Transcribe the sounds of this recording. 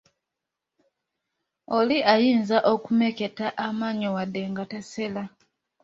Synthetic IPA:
oliʔajiːnzaʔokumeke̞taʔamaːɲowadːe̞ŋɡatasela

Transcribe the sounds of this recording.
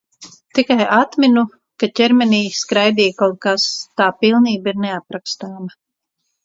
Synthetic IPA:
t̪ikajat̪minu | kacʲɛɾmɛniːskɾajd̪iːkawt̪̚kast̪aːpilˠniːbiɾneapɾakst̪aːma

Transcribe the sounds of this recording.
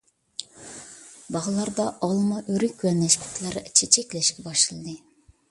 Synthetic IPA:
bɑʁɨlˠɑɾd̪ɑʔɑlˠmɑʔøɾykʲːɛnɛʃpʲʰi̥t̪ʰlˠæɾt͡ʃʰet͡ʃʰɛkʲlɛʃkʲɛbɑʃɨlˠɨd̪ɨ

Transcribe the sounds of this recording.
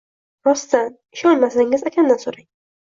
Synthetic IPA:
ɾɒst̪an | ɪʃɒnmasaŋɪzekʲʰand̪ansoɾaŋ

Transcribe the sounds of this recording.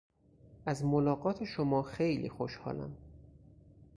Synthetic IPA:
ʔæzmolɒːɢɒːt̪ʰe̞ʃomɒːxejlḭːxoʃhɒ̰ːlæ̰m

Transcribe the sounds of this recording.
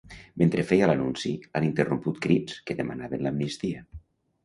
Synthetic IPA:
ment̪ɾefejalanunsianint̪eromput̪̚kɾiskeðema̰naβenlamnist̪iə

